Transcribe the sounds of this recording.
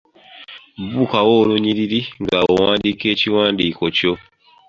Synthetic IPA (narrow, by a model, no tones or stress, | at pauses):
bukawoluɲiɾiɾiŋɡawowãndiket͡ʃiwandikot͡ʃo